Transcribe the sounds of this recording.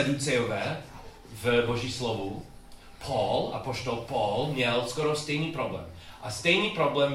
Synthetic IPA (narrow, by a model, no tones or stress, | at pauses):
ɛd̪uːt͡sɛɔvɛ | vbɔʒiːslɔʋu | pʰɔla̰pɔʃt̪ɔlpɔlmjɛlskɔɾɔst̪ɛjniːpɾɔblɛ̰ːm | ʔast̪ɛjniːpɾɔblɛm